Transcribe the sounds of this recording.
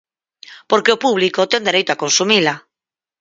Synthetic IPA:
poɾkeopuβ̞likot̪ɛnd̪eɾejt̪oakonsumila

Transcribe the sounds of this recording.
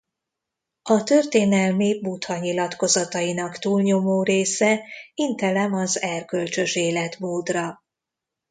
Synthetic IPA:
ɒt̪ø̞rt̪eːnɛlmibut̪hɒɲilɒt̪ko̞zɒt̪ɒjinɒkt̪uːlɲo̞moːreːsɛint̪ɛlɛmɒzɛrkø̞lt͡ʃø̞ʃeːlɛt̪moːd̪rɒ

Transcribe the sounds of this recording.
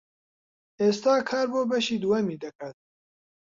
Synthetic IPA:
eːst̪aːkʰaːɾboːbɐʃiːd̪uwɐmiːd̪ɐkat̪̚

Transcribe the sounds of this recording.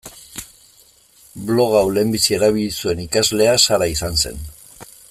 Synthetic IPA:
blo̞ɣawle̞mbisie̞ɾaβ̞ilisue̞nikazle̞asaɾaisanse̞̰n

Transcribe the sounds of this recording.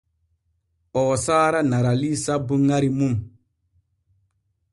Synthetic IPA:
ɔːsaːɾanaɾalisabuŋaɾimum

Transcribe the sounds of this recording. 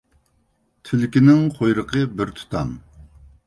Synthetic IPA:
t̪ʰɪlɪkʲinɪŋqʰojɾəqʰəbɪɾt̪ʰu̥t̪ʰɑm

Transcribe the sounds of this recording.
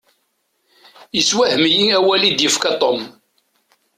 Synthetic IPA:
jəswæhmijiæwælid̪jəfkɑt̪ˤom

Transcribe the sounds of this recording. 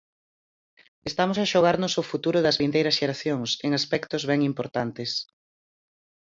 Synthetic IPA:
est̪amosɐʃoɣaɾnʊsofut̪uɾʊðɐzβint̪ejɾɐsʃeɾaθjoŋseŋaspɛkt̪ozβɛŋimpoɾt̪ant̪ɪs

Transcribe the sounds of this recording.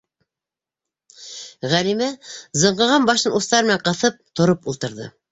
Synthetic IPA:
ʁælimæzɤ̆ɴɢɤ̆ʁɑmbɑʃɤnust̪ɑɾmɘ̆næɴqɤ̆θɤp̚t̪ŏɾopulˠt̪ɤ̆ɾðɤ̰

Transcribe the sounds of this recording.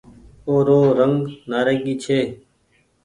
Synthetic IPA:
oːɾoːɾəŋɡnaːɾeːɡiːt͡ʃʰeː

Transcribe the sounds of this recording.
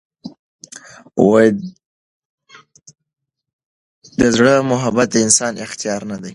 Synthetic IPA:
waj | d̪əzɽəmʊɦabat̪̚d̪əɪnsɑnʔɪxt̪ijɑɾnad̪aj

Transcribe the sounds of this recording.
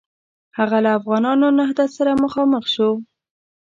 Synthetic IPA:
haɣalaːfɣɑnɑnonahd̪at̪saɾaməxɑməxʃo

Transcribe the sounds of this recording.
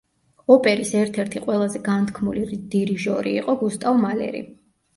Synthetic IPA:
ɔpʼɛɾisɛɾt̪ʰɛɾt̪ʰiqʼwɛlˠazɛɡant̪ʰkʰmulid̪̥iɾiʒɔɾiːqʼɔɡust̪ʼavmalɛ̰ɾḭ

